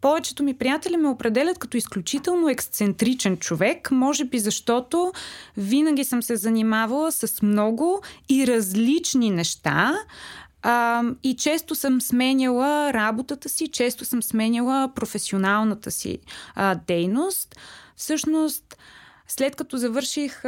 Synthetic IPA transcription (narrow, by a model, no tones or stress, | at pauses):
pɔvɛt͡ʃɛ̥t̪omipɾijat̪ɛlʲimɛopɾɛd̪ɛlʲət̪̚kɐt̪ɔisklʲut͡ʃit̪ɛlˠnoɛkst̪sɛnt̪ɾit͡ʃɛnt͡ʃovɛkmɔʒɛbizɐʃt̪ɔt̪ovinəɡʲisəmsɛzɐnimavəlˠəsɐsmnɔɡʊiɾɐzlit͡ʃninɛʃt̪a̰ | it͡ʃɛst̪osəmsmɛnʲəlˠəɾabot̪ət̪əsit͡ʃɛst̪osəmsmɛnʲilˠəpɾofɛsionalˠnət̪əsḭd̪ɛjnost̪fsɤʃnost̪ | slɛt̪kɐt̪ɔzɐvɤɾʃix